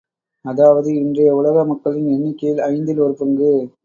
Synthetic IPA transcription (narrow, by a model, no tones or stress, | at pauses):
ɐðaːʋɐðɯɪndrɐjɐʊɭɐɣɐmɐkːɐɭɪnɛnːɪkːɐjɪlɐɪnd̪ɪlɔɾɯpːɯŋɡɯ